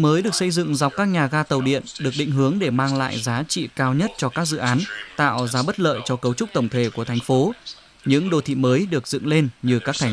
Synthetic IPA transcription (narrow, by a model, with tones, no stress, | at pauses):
məː˨˦jɗɨ˨˩ək̚sə˧jzɨ̰˧˨ŋza˨˩wk͡p̚kaː˦˥k̚ɲaː˨˩ɣaː˧t̪ə˨˩wɗḭ˧˨ənɗɨ˨˩ək̚ɓḭ̈˧˨ŋ̟ɦɨ˨˦əŋɗe˧˩maː˧ŋla̰ː˧˨jzaː˨˦t͡ɕḭ˧˨kaː˧wɲə˦˥t̚t͡ɕɔ˧kaː˦˥k̚zɨ̰˧˨ʔaː˨˦nt̪a̰ː˧˨wzaː˨˦ɓə˦˥t̚lə̰ː˧˨jt͡ɕɔ˧kə˨˦wt͡ɕʊ˦˥k͡p̚t̪ə˧˩wŋ͡mt̪ʰe˧˩ku˧˩ət̪ʰa˨˩jŋ̟fo˨˦ | ɲɨ̰˧˥ŋɗo˧˩t̪ʰḭ˧˨məː˨˦jɗɨ˨˩ək̚zɨ̰˧˨ŋle˧nɲɨ˧˩kaː˦˥k̚t̪ʰa˨˩